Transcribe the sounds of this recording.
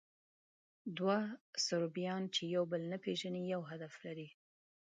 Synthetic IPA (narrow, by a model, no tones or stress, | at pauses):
d̪wasʊɾbijɑnt͡ʃejawbəlnapeʒanijawɦad̪aflaɾi